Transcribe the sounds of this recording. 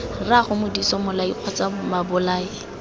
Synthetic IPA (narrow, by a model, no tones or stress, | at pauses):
raχʊmʊdisɔmʊlaiq͡χʰɔt͡samabʊlaːi